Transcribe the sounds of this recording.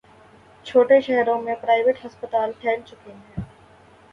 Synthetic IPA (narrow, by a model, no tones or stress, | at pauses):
t͡ʃʰoːʈeʃɛɦɾõmẽpɾaːɪʋeʈɦɐspət̪aːlpʰɛːlt͡ʃʊkɪnɦɛ̃ː